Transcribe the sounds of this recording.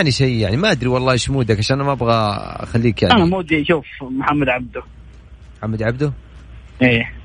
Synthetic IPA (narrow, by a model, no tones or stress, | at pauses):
ʕniʃajːjaʕnimaʔad̪ɾiwɑlˤːɑːʃmuːd̪akʕaʃaːnːamaʔabɣa̰xalːiːkjaʕʔanamuːd̪iʃuːfmħamːad̪ʕab̚d̪ʊ | mħamːad̪ʕabd̪ʊ | ʔeː